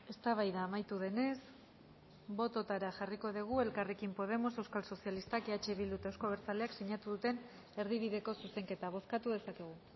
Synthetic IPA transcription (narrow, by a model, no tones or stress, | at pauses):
e̞st̪aβajðaːmajt̪uð̞e̞ne̞s | bo̞t̪o̞t̪aɾaʝariko̞ð̞iɣ̞ue̞lkarekimpo̞ð̞e̞mo̞se̞wskalso̞sjalist̪akeat͡ʃe̞βild̪ut̪ewsko̞β̞e̞ɾt͡saleakseɲat̪uðut̪e̞n | e̞ɾðiβ̞iðe̞ko̞suse̞ŋke̞t̪aβ̞o̞skat̪uðe̞sake̞ɣ̞u